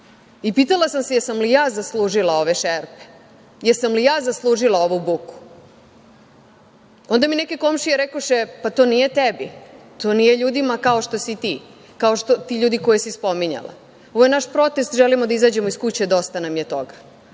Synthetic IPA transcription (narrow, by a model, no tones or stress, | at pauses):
ipiːt̪alˠasamsejesamlijaːzaslˠuːʒilao̞ʋeʃeɾpe̥ | jeɾsamlijaːzaslˠuːʒilˠaoʋubuku̥ | o̞nd̪amineke̞ko̞mʃijeɾekoʃepat̪o̞ːnijet̪ebit̪oːnije̞ʎuːd̪imakao̞ʃt̪o̞sit̪i | kaoʃt̪ot̪iʎuːd̪ikojesispo̞miɲa̰la̰ | oʋojenaʃpɾo̞t̪est̪ʒɛlimod̪aizaːd͡ʑe̞moiskut͡ɕed̪o̞st̪anamjet̪o̞ɡa